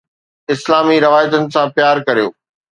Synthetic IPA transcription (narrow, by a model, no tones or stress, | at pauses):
ɪslaːmiɾɐʋaːjət̪ənɪ̆sãpjaːɾkɐɾijo̰ː